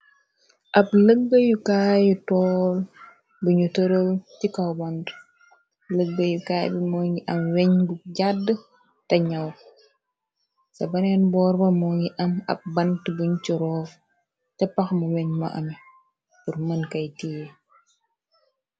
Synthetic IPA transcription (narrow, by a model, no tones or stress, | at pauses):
ʔɐp̚ləɡːəjukaːjutɔːl | buɲutəɾəwtikɐwbɐnd | ləɡːəjukaːjbimɔːŋɡiʔɐmwɛɲbuɟadːə | tɐɲɐw | sɐbɐnɛnbɔːɾbɐmɔːŋiʔɐmɐ̰p̚bɐntəbuɲt͡ʃiɾɔːf | tɛpːɐxmuwɛɲmɐʔɐ̰m | purmɐnkɐjtije